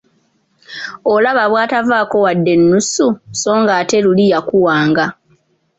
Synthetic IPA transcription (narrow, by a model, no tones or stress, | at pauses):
olaβaβwaːtavaːko̞wadːe̞nːususo̞ːŋɡaːte̞lulijakuwaːŋɡa